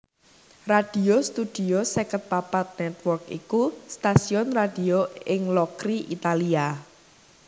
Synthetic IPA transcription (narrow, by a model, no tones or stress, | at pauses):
rad̥iost̪ud̪̥iosɛkət̪̚papat̪̚nɛt̪wɔrkḭkust̪asiɔnrad̥ioɪŋlɔkɾiʔit̪alia